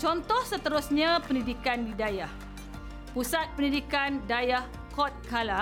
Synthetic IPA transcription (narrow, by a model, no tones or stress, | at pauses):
t͡ʃɔnt̪ɔhsət̪əɾʊsɲãpəndidikandidajah | pusat̪̚pəndidikandajah | kɔt̪̚kala